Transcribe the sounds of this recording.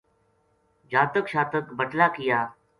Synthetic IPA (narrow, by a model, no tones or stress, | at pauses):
d͡ʒaːt̪əkʃaːt̪əkbəʈlaːkɪjaː